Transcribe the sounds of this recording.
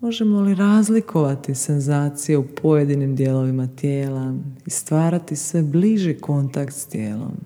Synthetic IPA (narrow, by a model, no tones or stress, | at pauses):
mo̞ʒe̞mo̞liɾaːzlikʰo̞ʋat̪isenzaːt̪sijeupʰo̞je̞d̪inimd̪jelo̞ʋimat̪jeːlaist̪ʋaːɾat̪isʋe̞bliʒiko̞nt̪akt̪st̪jḛːlo̞̰m